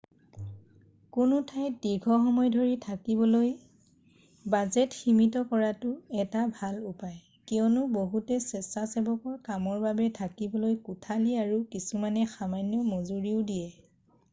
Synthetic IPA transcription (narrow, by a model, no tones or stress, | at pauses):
kʊnʊtʰajtdiɡʱɔxɔmɔjdʱoɹitʰakibɔloj | bazɛtximitɔkɔɹatʊɛtabʱalupaj | kiɔnʊboɦutɛsɛsasɛbɔkɔɹkamɔɹbabɛtʰakibɔlojkutʰaliaɹukisumanɛxamanjɔmɔzuɹiʊdijɛ